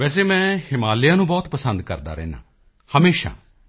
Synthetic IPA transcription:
ʋɛːs̬eːmɛ̃ːhɪmaːlɪjãːnũːbɔːt̪pəsənd̪kə̰ɾd̪a̰ːɾɛ̰̃ːna̰ː | həmeːʃa̰ː

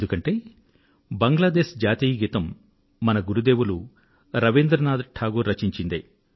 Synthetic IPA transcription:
d̪ukɐɳʈe̞ː | bɐŋɡlaːd̪e̞ːʃd͡ʒaːt̪iːjɡit̪ɐmː | ɐnɐɡuɾud̪e̞ːwulu | ɾɐʋind̪ɾɐnaːd̪ʈʰaːɡuːɾɐt͡ʃiɲt͡ʃind̪ḛ

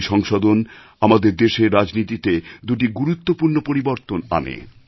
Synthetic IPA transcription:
ʃɔŋʃod̪on | amad̪eɾd̪eʃeɾːad͡ʑnit̪it̪ed̪uʈiɡuɾut̪ːopuɾnopoɾiboɾt̪ona̰nḛ

